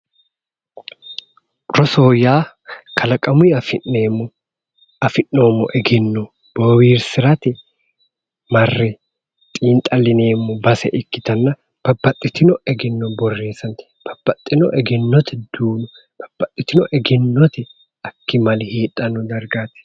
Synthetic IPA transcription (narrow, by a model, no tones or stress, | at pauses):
ɾɔso̞ːjaː | kʰɐlɐkʼɐmʊɐfɪnːeːmːʊ | ɐfɪnːoːmːɔ̰ʔɛɡɛnːɔ | b̥owiːɾsɪɾɐt̪ɪ | mɐrːɛ | t̪ʼiːnt̪ʼɐlɪne̞ːmːʊbɐsɛ̰ʔɪkːɪt̪ɐnːɐ | b̥ɐbːɐt̪ʼːɪt̪ːɪnɔɛɡɪnːɔbɔrːeːsɐnt̪ | b̥ɐb̥ːɐt̪ʼːɪnɔ̰ʔɛɡɛnːɔt̪ʰɪd̪̥uːnʊ | b̥ɐ̥b̥ːɐt̪ʼːɪt̪ːɪnɔʔɛɡɪnːɔt̪ɪ | ɐkːɪmɐlheːᶑɐnɔd̪ɐɾɡaːt̪ɛ̥